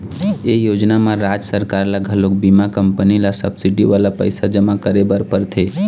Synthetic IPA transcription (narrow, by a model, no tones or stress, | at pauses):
ejod͡ʒnamaɾad͡ʒsəɾkaɾlaɡʱəlok̚bimakəmpənilasə̰bsiɖiʋalapə̰ɪsad͡ʒəmakəɾebəɾpəɾt̪ʰe